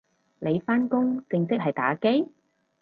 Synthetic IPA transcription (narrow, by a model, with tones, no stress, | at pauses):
le˨˧jfaː˥nkʊ˥ŋt͡sɪ˧ŋsɪ˥k̚ɦɐ˨˩jt̪aː˨˧˥ke˥j